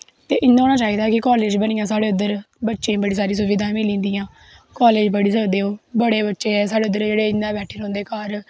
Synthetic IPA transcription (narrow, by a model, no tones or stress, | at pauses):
t̪eːʔɪnːãːɦoːñaːt͡ʃaːiːd̪aːkɪkɔːleːd͡ʒbənijãːsaːɽeːʊd̪əɾ | bətːʃẽːbəɽiːs̬aːɾĩːs̬ʊʋɪːd̪ãːmɪ̃ːlĩːnd̪iːãː | kɔːleːd͡ʒbəɽiːs̬əkd̪eːoːbəɽeːbətːʃeːɛːs̬aːɽeːʊd̪əɾd͡ʒeːɽeːɪnːãːbɛːʈʰeːɾõːnd̪eːkaːɾ